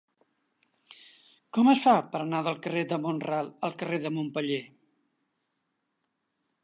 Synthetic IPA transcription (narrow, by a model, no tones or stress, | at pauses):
kɔməsfapəɾənaðəlˠkəred̪əmonralˠəlˠkəreðəmompəʎe